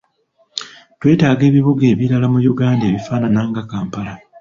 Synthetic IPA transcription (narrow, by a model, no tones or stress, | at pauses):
twe̞ːtaːɡe̞ːβiβuɡe̞ːβiɾalamujuɡaːndeːβifaːnanaːŋɡakaːmpala